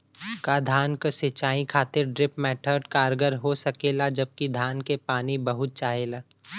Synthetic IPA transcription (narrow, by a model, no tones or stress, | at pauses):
kad̪ʱaːnkəsɪt͡ʃaːĩkʰaːt̪ɪɾɖɾɪpmɛːʈʰəɾɖkaːɾɡəɾɦosɐkeːlad͡ʒɐb̚kid̪ʱaːnkepaːnibɐɦʊt̪̚t͡ʃaːɦelaː